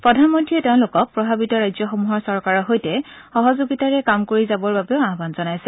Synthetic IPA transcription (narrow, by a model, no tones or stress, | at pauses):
pɹɔdʱanmɔntʰɹiɛtɛʊ̃lʊkɔk̚pɹɔbʱabitɔɹajzɔxɔmuɦɔɹsɔɹkaɹɔɦojtɛ | xɔɦɔzoɡitaɹɛkamkoɹizabɔɹbabɛʊaɦbanzɔnajsɛ